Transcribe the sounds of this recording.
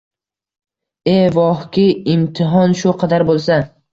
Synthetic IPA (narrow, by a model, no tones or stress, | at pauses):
evɒhkʲɪɪmt̪ʰɪɦɒnʃʊqʰɑd̪aɾbolˠsa